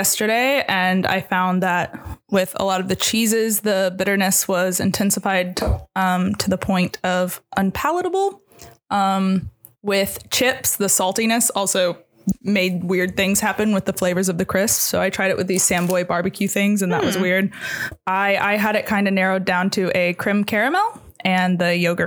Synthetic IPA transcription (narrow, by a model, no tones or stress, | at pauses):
ɛstə˞ɾeɪʔɨ̃na̰ɪfãʊ̃nðət̚wɪðə̰lɔɾʌvðɨt͡ʃʰizɪzðəbɪɾə˞nɨswʌzɨ̰̃ntʰɛ̃nsəfaɪd̚ʌ̃mtʰɨðəpʰɔ̃ɪ̃ntʰʌv̥ʔə̃npʰælˠəɾəbl̩ˠ | ʔʌ̃m | wɪð̥t͡ʃʰɪpsðəsɔlˠtinɨsɔlˠsoʊ | meɪd̚wɪɹd̪̚θɪ̃ŋz̥hæpɨ̃nwɨðəfleɪvə˞zʌvðɨkʰɹ̥ɪssoʊaɪtʰɹ̥aɪɾɨʔwʔɨðiz̥sæ̃mbɔɪbɑɹbɨkʰjʉθɪ̃ŋzɨ̃nðə̰ʔwʌzwɪɹdʔaɪʔa̰ɪəɾɨt̚kʰãɪ̃ndɨnɛɹoʊdãʊ̃ntʰɨʔɨkʰɹ̥ɪ̃mkʰɛɹɨmɛlˠ | ʔɨ̃nðɨjoʊɡə˞